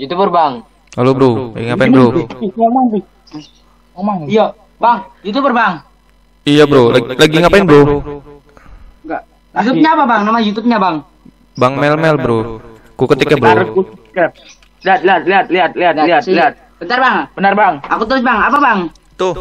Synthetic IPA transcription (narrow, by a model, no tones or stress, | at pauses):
jut̪ubərbaŋ | alobəɾula̰ɡiŋapabəɾɪamaŋtɪ | aŋija | baŋjut̪ubərbaŋ | ijabəɾolalaɡiŋapaɪnbəɾo | ŋɡa | jut̪̬uɲaːpabaŋnamajut̪up̚ɲabaŋ | baŋmɛlmɛlbəɾu | kukət̪ikabəɾuɾkukka | liat̪̚liat̪̚liat̪̚liat̪̚liat̪liɦat̪liat̪̚ | b̥ənarbaŋb̥ənarbaŋakut̪̬əlʊsbaŋapabaŋ | t̪u